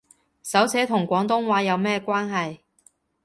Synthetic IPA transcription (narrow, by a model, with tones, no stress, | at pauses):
sɐ˨˥wt͡sʰɛː˨˥t̪ʰʊ˨˩ŋkʷɔː˨˥ŋt̪̬ʊ˥ŋwaː˨˥jɐ˨˧wmɛː˥kʷwaː˥nɦɐ˨j